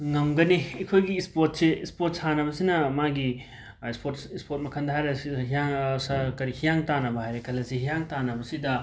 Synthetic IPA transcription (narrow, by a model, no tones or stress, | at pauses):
ŋɐmɡɐniɐkʰojɡiːspoɾt̚seːspoɾtsanɐbɐsinɐmaɡi | ispʰotsispoɾt̚mɐkʰɐndɐɦajɾeɦijaŋsɐkɐɾihʰijaŋtanɐbɐɦajɾekʰɐlːɐsiɦijaŋtanɐbɐsidɐ